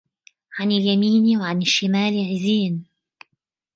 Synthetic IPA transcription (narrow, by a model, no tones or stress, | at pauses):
ʕanɪljamiːnwaʕanɪʃːɪmaːlɪʕɪziːn